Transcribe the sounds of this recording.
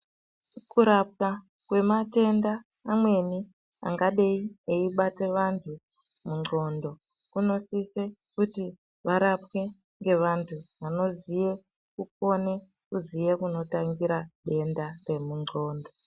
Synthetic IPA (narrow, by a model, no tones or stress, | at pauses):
kuɾap̚ka | kwe̞mate̞ndaː | mwe̞ni | a̰ŋɡaɗeieiɓate̞ʋantʰu | muŋ͡ǀo̞ndo̞ | kuno̞sise̞kuti | ʋaɾapke̞ | ŋɡe̞ʋantʰuʋano̞zije̞ | kuk̚o̞ne̞ | kuzijekuno̞taŋɡiɾaɗe̞ndare̞muŋ͡ǃʱo̞ːndo